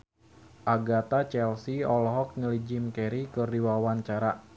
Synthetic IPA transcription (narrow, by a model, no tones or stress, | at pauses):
ʔaɡat̪at͡ʃɛlsiɔlɦɔk̚ŋəlid͡ʒimkɛɾikɨrdiwawaɲt͡ʃaɾa